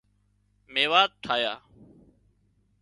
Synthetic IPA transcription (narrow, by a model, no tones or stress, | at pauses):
meːʋaːt̪̚t̪ʰaːjaː